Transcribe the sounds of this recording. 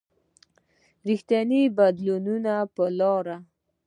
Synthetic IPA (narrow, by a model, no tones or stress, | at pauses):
ɾixt̪janibad̪lununapəlɑɾa